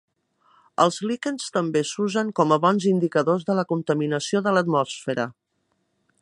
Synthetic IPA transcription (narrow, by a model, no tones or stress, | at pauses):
əlˠzlikənst̪əmbesuzəŋkɔməβɔnzind̪ikəðozðələkunt̪əminəsioðələt̪mɔsfeɾə̰